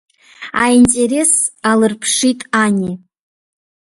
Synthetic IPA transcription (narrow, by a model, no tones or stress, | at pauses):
a̰intʼe̞ɾe̞salɨrpʰʂitʼanʲi